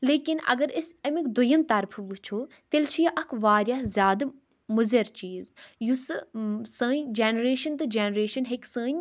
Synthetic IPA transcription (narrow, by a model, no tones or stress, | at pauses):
leːkinɐ̰ɡɐɾisɐmikd̪ujɐmt̪ɐɾpʰʋut͡ʃʰoː | t̪elt͡ʃʰijɐʔɐkʰʋaːɾʲjaːzʲjaːd̪ɐ | muzɐɾt͡ʃiːzjussəːɲd͡ʒeːnɾeːʃɐnt̪ɨd͡ʒeːnɾeːʃɐnɦeksə̃ːɲʲ